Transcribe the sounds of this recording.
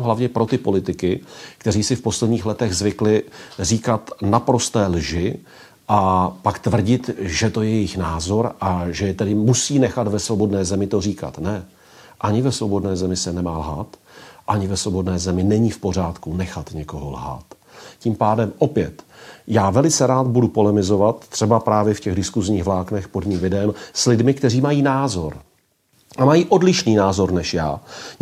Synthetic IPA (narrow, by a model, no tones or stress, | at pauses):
ɦlavɲɛpɾo̞t̪ɪpo̞lɪt̪ɪkɪkt̪ɛɾiːsɪfpo̞slɛd̪ɲiːxlɛt̪ɛɣzvɪklɪriːkat̪napɾo̞st̪ɛːlʒɪ | ʔapakt̪vr̩ɟɪt̪ʒɛt̪o̞jɛjɛjɪxnaːzo̞ɾʔaʒɛjɛt̪ɛdɪmusiːnɛxat̪vɛsvo̞bo̞dnɛːzɛmɪt̪oriːka̰t̪nɛ | ʔaɲɪvɛsvobo̞dnɛːzɛmɪsɛnɛmaːlɦat̪ʔaɲɪvɛsvobo̞dnɛːzɛmɪnɛɲifpo̞r̝aːt̪kunɛxat̪ɲɛkoɦo̰lɦa̰t̪ | ciːmpaːdɛmʔo̞pjɛt̪jaːvɛlɪt͡sɛɾaːt̪budupo̞lɛmɪzo̞vat̪ːr̥ɛbapɾaːvjɛfcɛɣdɪskuzɲiːɣvlaːknɛxpo̞dmiːmvɪdmslɪdmɪkt̪ɛriːmajiːnaːzo̞ɾ | ʔamajiːʔo̞dlɪʃniːnaːzo̞ɾnɛʃjaː